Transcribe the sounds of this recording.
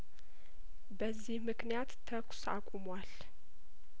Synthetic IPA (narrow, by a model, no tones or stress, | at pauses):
bəzːihmɨknijat̪ʰːəkʷʼsa̰kʼumwal